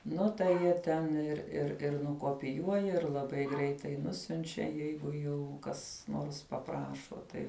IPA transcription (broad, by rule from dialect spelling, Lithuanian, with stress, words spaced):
ˈnʊ tɐɪ ˈjiɛ tʲɛn ɪr ɪr ɪr nʊkoːpʲɪˈjuɔjɛ ɪr lˠɐˈbɐɪ ˈɡrʲɛɪtɐɪ ˈnʊsʲʊnʲt͡ʃʲɛ ˈjɛɪɡʊ jɛʊ ˈkɐs ˈnoːrs pɐˈprɑːʃoː ˈtɐɪ